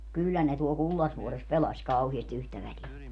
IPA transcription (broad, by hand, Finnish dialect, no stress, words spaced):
kylːæ ne tuol kulːɑsʋuores pelɑsʲ kɑuhiesti yhtæ ʋælie